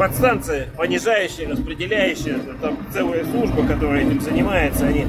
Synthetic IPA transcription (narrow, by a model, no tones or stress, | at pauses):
pɐt̪st̪ant̪sɨjəpənʲɪʐajʉɕːɪjəɾəspɾʲɪdʲɪlʲæjʉɕːɪjət̪amt̪sɛlˠəjəslˠuʐbəkɐt̪o̞ɾəjtʲɪmzənʲɪmajɪt̪səɐnʲi